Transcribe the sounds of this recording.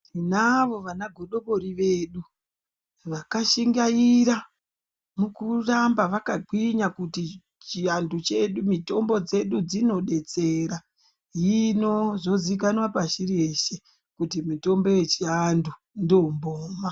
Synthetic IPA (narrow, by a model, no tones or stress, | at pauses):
inaʋo̞ʋanaɡʱo̞ɗo̞ɓo̞ɾiʋeːɗu | ʋakaʃiŋɡajiɾa | mukurambaʋakaǃwiɲakuti | t͡ʃiandut͡ʃe̞ɗumito̞mbo̞d͡ze̞ɗud͡zino̞ɗe̞t͡seɾa | jino̞ʐo̞zik̬anwapaʃiɾeʃe | kutimito̞mbo̞je̞t͡ʃiandu | ndomboːma